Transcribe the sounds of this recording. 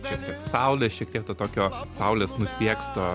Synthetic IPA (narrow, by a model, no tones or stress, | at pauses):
ʃʲiɛk̚t̪ʲiɛksɑˑʊlʲeʃʲiɛk̚t̪ʲiɛk̚t̪oːt̪oːkʲoːsɑʊlʲeːsnʊt̪ʲʋʲiɛkst̪oː